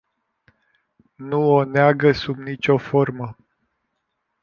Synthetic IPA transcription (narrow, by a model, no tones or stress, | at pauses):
nuoneaɡəsubnit͡ʃʲo̞formə